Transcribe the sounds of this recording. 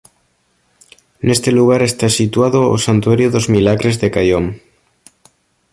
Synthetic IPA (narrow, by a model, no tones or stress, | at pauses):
ne̞st̪e̞luɣ̞aɾe̞st̪asit̪waðoo̰sant̪uaɾjoðo̞zmilaɣɾe̞zðe̞kajom